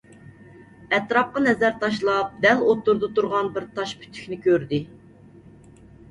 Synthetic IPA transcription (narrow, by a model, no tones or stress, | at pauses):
ɛt̪ɾɑp̚qɑnɛzæɾt̪ɑʃlˠɑp̚d̪ɛlot̪ːuɾd̪ɨt̪uɾʁɑnbɪɾt̪ʰɑʃpʰy̥t̪ʰy̥kʲnɪkʲʰøɾd̪ɪ